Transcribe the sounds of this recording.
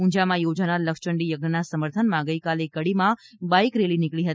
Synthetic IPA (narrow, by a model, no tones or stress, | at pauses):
ũɲd͡ʒamãjod͡ʒanaɾləkʃt͡ʃəɳɖijəɡnənasəməɾt̪ʰənmãɡəjkalekəɽimã | baikɾelinɪkɭiɦət̪i